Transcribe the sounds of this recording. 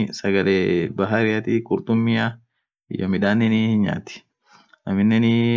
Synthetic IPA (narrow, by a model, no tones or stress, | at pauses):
sɐɡɐleːbɐɦɐɾɪjɐt̪ikʼʊɾt̪ʊmːɪja | ɪjomɪᶑaːnːɛnihɪnɲa̰ːt̪ɪ̥ | ʔɐmɪnːɛnɪ